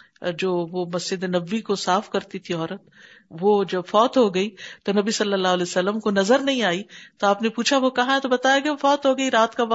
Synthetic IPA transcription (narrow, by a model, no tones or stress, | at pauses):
d͡ʒoːʋomɐsd͡ʒɪd̪enɐbːikosaːfkɐɾt̪it̪ʰiɔːɾət̪̚ | ʋod͡ʒɐbfɔːt̪ɦoɡɐiːt̪onɐbisɐlːəlːaːɦlɛːsɐlːəmkonɐzəɾnɐɦĩaːit̪oaːpnepuːt͡ʃʰaʋokɐɦãɦɛ̃t̪obɐt̪aːjaɡeofɔːt̪ɦoɡɐiɾaːt̪kaʋɐ